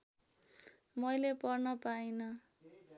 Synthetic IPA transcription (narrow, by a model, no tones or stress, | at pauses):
mʌjlepʌrnʌpajnʌ